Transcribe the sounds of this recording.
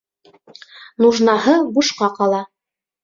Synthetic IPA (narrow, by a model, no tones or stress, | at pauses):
nuʒnɑɦɤbuʃqɑqɑlˠɑ